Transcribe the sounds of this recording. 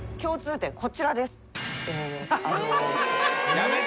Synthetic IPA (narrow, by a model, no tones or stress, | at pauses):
kʲo̞ːt͡sɨːt̪ẽ̞kʰo̞t͡ɕiɾad̪e̞sɨ̥eaok̪o